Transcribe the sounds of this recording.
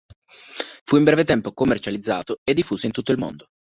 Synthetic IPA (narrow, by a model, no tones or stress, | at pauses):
fuimbɾɛːvet̪ɛmpokomːert͡ʃalid̪zːa̰ːt̪oed̪ːifːuːseint̪ut̪ːoilmo̰nd̪o